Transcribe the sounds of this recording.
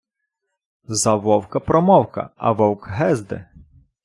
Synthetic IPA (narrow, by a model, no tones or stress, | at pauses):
zɐʋɔwkɐpɾɔmɔwkɐ̰ɐ̰ʋɔwkɦɛzd̪ɪ̰